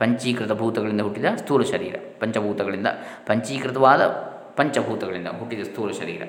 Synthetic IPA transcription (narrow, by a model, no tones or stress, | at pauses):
pɐɲt͡ʃiːkɾit̪ɐbʱuːt̪ɐɡɐɭind̪ɐɦuʈːid̪ɐst̪uːɾɐʃɐɾḭːɾɐ̰pɐɲt͡ʃɐbʱuːt̪ɐɡɐɭind̪ɐ̰ | pɐɲt͡ʃiːkɾɪt̪ɐʋaːd̪ɐ̰ | pɐɲt͡ʃɐbʱuːt̪ɐɡɐɭind̪ɐ̰ɦuʈːid̪ɐst̪uːɾɐʃɐɾḭːɾɐ̰